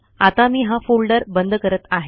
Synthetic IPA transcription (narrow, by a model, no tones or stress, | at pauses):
at̪amiːɦãfulɖəɾbənd̪ʱəkəɾət̪aɦe